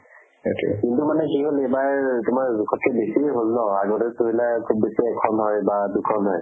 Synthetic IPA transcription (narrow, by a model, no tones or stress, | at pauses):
etkintumanɛkiɦolebaɹtumaɹkʰɔt̚ʰɛbesiɦolnɔaɡɔtɛtuɦilakʰub̚ːesiɛkʰɔnɦɔjbadukʰɔnɦɔj